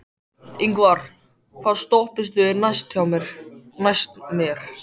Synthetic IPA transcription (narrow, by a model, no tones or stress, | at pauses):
eŋkvaɾ̥ | kʰvaːðst̪owhpɪst̪ʏɪɾnajst̪jawmɛɾnajst̪mɛɾ̥